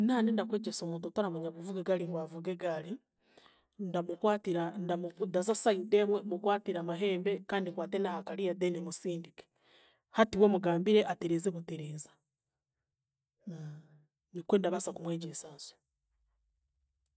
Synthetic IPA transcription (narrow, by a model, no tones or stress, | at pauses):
naːnendakwe̞ːɟesomuːntutaɾamuɲaβuvuɡeɡaliŋɡwavuɡeɡali | ndamukwaːtiɾandaundazasaidemwemukwaːtiɾamaɦe̞ːmbekaːndiŋkwaːtenahakaɾijadenemusiːndike̥ | hatiwemuɡaːmbiɾeʔateɾeːzeβuteɾeːzḁ | nikwendaβasakumweːɟesazo̥